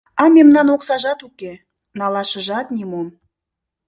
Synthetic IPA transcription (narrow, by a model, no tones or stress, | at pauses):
ɑmʲemnɑnoqsɑʒɑt̪ukʲe | nɑlˠɑʃə̆ʒɑt̪nʲimom